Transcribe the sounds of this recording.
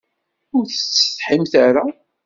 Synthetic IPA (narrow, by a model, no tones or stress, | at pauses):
ʊɾθət͡sːə̥θħimθaɾa